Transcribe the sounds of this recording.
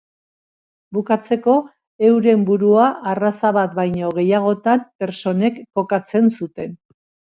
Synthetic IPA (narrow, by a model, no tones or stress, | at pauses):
bukat͡se̞ko̞ | e̞wɾe̞mbuɾuaʔarasaβat̪̚bajɲo̞ɣe̞jaɣ̞o̞t̪ampe̞ɾso̞ne̞kːo̞kat͡se̞nsut̪e̞n